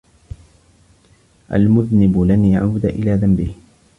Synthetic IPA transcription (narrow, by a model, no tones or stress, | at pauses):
ʔa̰lmʊðnɪbʊlanjaʕaːd̪aʔɪlaːðambɪh